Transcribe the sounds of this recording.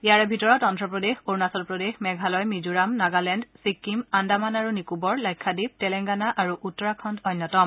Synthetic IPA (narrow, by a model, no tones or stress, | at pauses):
ijaɹɛbʱitɔɹɔtɔntɹɔpɹɔdexoɹnasɔlpɹodexmɛɡʱalɔjmizuɹamnaɡalɛndsikːimandamanaɹunikubɔɹlajkʰːadib̚tɛlɛŋɡanaʔaɹuʔutːɔɹakʰɔntɔnjɔtɔm